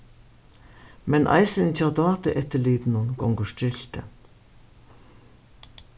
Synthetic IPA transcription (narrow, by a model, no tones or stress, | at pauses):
mɛnʔɑ̰ɪsəntʰɑːd̪ɑːt̪əʔɛt̪əliːd̪nʊnɡ̥ɔ̰ŋɡəʂtɪlt̪ə̰